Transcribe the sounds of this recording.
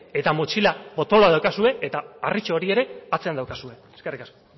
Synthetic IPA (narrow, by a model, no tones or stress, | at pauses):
e̞t̪amot͡ʃilabo̞t̪o̞loaðawkasue̞et̪aːrit͡ʃoːɾie̞ɾe̞at͡se̞and̪awkasue̞eske̞rikasko